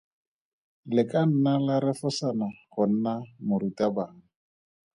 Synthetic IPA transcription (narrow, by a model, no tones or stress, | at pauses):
lɪkan̩nalaɾɛfʊsanaχʊn̩namʊritabaːŋ̩